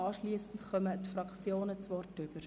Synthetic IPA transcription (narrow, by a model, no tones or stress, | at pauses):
ɑːʃliːəsn̩tχœmətfɾɑkt͡sjoːnət͡sʋɔrtʏb̥əɾ